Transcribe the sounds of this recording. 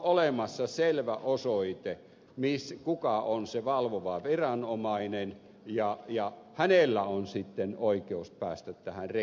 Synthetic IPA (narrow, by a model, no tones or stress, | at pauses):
olemɑsːɑselʋæʔosoit̪e | miskukɑonseʋɑlʋoʋɑʋirɑnomɑinen | jɑjɑ | hænelːæonsit̪ːenoikeuspæːst̪æt̪t̪æhænre